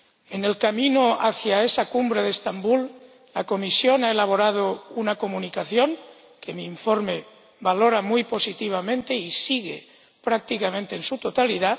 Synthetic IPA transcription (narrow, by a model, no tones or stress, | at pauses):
ene̞lkamĩnoaθjae̞sakumbɾe̞ðest̪ambul | lako̞misjo̞nae̞laβ̞o̞ɾaðounako̞mũnikaθjo̞ŋ | ke̞miːɱfo̞ɾme̞ | βalo̞ɾamujpo̞sit̪iβ̞amẽ̞nt̪e̞isiɣḛ | pɾak̚t̪ikamẽnt̪e̞ːnsut̪ot̪aliða